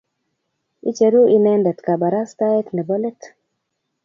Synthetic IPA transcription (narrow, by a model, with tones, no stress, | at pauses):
ḭ˦t͡ʃe˨ɾu˦ʔi˦nɛ˦ndɛ˨tka˨ba˨ɾa˦sta˦ɛ˦tnɛ˨bɔ˦lɛ˦t